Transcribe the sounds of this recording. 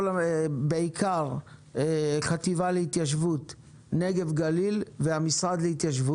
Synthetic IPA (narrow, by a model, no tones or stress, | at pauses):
lbeikʰaʁeχat̪ivaleit̪jaʃ̬vut̪ | neɡe̞vɡalilveamisʁad̪lehit̪jaʃvu